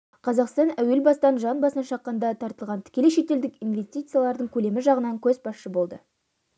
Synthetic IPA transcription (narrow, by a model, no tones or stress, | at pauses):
qʰɑzɑqst̪ɑnæwe̞lbɑst̪ɑnʒɑnbɑsnɑʃɑqːɑnd̪ɑt̪ʰɑɾt̪əlˠʁɑnt̪ʰɪ̥kʲe̞leʃe̞t̪e̞ld̪ɪkinve̞st̪ʲijt̪sɨjalˠɑɾd̪əɴkʲʰɵle̞mɪʒɑʁənɑŋkʲʰɵzbɑsʃəbo̞lˠd̪ə